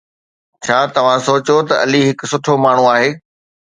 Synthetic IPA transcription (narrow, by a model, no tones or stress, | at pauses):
t͡ɕʰaːt̪ɐʋ̤ãsoːt͡ɕot̪ɐʔɐliɦɪkʊ̆sʊʈʰomaːɳ̤uaːɦeː